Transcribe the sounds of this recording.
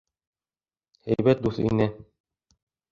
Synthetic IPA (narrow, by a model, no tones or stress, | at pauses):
æ̰jbæt̪̚d̪uθḭnɘ